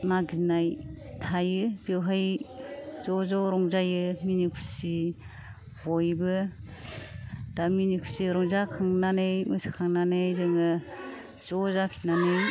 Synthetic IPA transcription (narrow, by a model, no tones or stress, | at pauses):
maɡzinajtʰajɯbewɦaj | zɔzɔɾɔŋzajɯminikʰu̥si | bɔjbɯ | d̥aminikʰu̥siɾɔŋzakʰɯŋnanɯjmɯsi̥kʰaŋnanɯjzɯŋɯ | zɔzapʰi̥nanɯj